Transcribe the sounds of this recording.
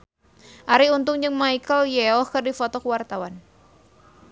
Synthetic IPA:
ʔaɾiunt̪ʊŋd͡ʒɨŋmaikəljɛɔhkɨrdifɔt̪ɔkəwart̪awan

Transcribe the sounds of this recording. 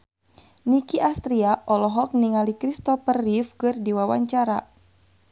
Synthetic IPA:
nikiʔast̪ɾiaʔɔlɔɦɔk̚niŋalikɾist̪ɔpərːifkɨrdiwawa̰ɲt͡ʃaɾa̰

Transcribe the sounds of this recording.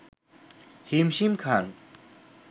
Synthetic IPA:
himʃimkʰan

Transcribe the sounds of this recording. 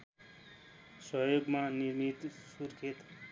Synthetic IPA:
sʌɦjoɡmaniɾmit̪suɾkʰet̪

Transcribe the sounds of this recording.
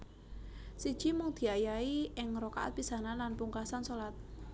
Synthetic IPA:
sid̥ʒ̥i̤mʊŋd̪̥i̤ajaiɪŋroka̰ʔa̰t̪̚pisananlanpuŋkasansolat̪̚

